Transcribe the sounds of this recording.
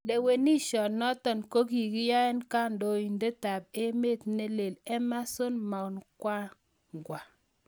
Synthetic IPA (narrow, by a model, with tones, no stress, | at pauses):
de˨we˨ni˦ʃɔ˨nɔ˦tɔ˨nko˦ki˨ki˦ja˦ɛ˦nka˦ndo˦i˨nde˦ta˨p̚e˦me˦˨tne˦le˨lɛ˦ma˦so˦nma˨wnkwa˦ | ŋ˨ɡwa˨